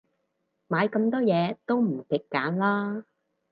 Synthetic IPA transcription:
maː˨˧jkɐ˧mt̪ɔː˥jɛː˨˧t̪o˥wm̩˨˩k̪ɪ˨kːaː˨˥nlaː˥

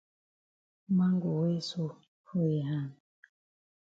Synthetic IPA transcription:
ma˦ŋɡu˨we˦su˦ | fo˦i˨ɦa˦˨n

